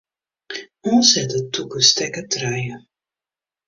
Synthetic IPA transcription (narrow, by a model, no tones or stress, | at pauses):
ɔnshɛtətːukəstɛkətrɛjə